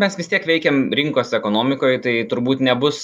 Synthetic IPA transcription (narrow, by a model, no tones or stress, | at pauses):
mʲɛsʋʲɪst̪ʲiɛkʋʲɛɪkʲɛːmɾʲɪŋkoːsɛkoːnoːmʲɪkoːjt̪ɐɪt̪ʊɾbuːt̪nʲɛbʊs